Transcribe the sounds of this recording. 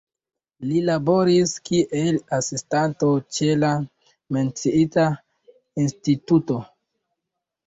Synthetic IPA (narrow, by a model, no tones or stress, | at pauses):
lilabo̞ɾiskiʔelasistantot͡ʃe̞la | me̞nt͡siita | instituto̞